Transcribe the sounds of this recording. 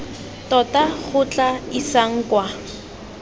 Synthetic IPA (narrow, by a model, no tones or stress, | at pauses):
tɔtaχʊt͡ɬʼaisaŋ̩kwa